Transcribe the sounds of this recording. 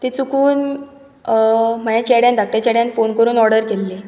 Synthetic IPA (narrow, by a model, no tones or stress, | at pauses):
t̪et͡sukuːn | m̤əjãt͡ɕɛɽjand̪ak̚ʈjat͡ɕɛɽjãnfonkəɾuːnɔɾɽəɾkelːe